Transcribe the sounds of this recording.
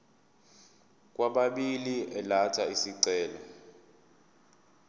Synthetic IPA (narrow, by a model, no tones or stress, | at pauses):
k̬ʼwaɓaɓiliɛlatʰaisiǀɛːlɔ